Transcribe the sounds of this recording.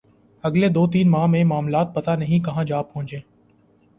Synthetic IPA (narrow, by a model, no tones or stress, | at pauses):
əɡled̪oːt̪̬iːnmaːmẽmaːmlaːt̪̚pət̪anəɦĩkɐɦãd͡ʒaːbɦõːd͡ʒẽː